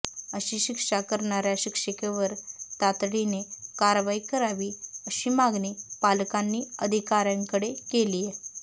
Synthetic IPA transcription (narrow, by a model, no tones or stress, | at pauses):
əɕiːɕikʂakəɾɳaɾjaɕikʂəkeʋəɾt̪at̪ɽinekaɾʋaikəɾaʋiːəɕiːmaɡniːpalkanːiːəd̪ʱikaɾjãŋkəɽekelije